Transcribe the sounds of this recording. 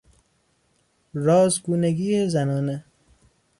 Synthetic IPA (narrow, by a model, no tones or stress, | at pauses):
ɾɒːzɡuːneɡiːjezænɒːne